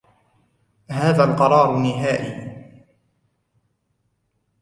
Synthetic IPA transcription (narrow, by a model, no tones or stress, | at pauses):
haːðaːlqɑɾˤɑːɾˤnɪɦaːʔḭː